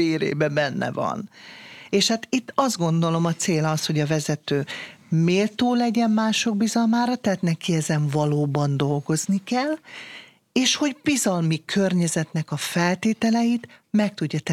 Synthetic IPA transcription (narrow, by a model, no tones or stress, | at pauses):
eːɾḛːbɛbɛnːɛ̰vɒ̰neːʃhaːt̪it̪ːɒzd̪̚ɡo̞nd̪o̞lo̞mɒt̪seːlɒsho̞ɟɒvɛzɛt̪øː | meːlt̪oːlɛɟɛmmaːʃo̞ɡ̚bizɒlmaːɾɒt̪ɛaɦːt̪nɛkiɛzɛɱvɒloːbɒnd̪o̞lɡo̞znikɛl | eːʃho̞ɟbizɒlmikʰørɲɛzɛt̪nɛkɒfɛlt̪eːt̪ɛlɛjit̪mɛk̚t̪uɟːɒt̪ɛ